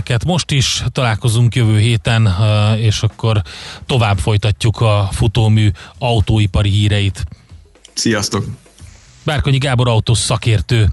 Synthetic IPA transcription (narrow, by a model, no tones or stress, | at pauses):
kɛt̪mo̞ʃt̪iʃt̪ɒlaːlko̞zuŋkjøvøːɦeːt̪ɛneːʃɒkːo̞rt̪o̞vaːbfo̞jt̪ɒcːukʰɒfut̪oːmyːɒut̪oːipɒɾiɦiːɾɛjit̪ | sijɒst̪o̞k | baːrkoɲiɡaːbo̞ɾɒwt̪oːsɒkeːrt̪øː